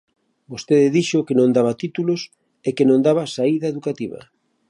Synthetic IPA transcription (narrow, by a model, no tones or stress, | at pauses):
bost̪eðɪðiʃokenõŋd̪aβat̪it̪ulos | ekenõnd̪aβasaiðaeðukat̪iβɐ̰